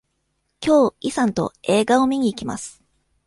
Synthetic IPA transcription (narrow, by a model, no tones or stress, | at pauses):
kʲo̞ːisãnt̪o̞̰e̞ːɡao̞mʲiɲ̟iːkʲima̰sɨ̥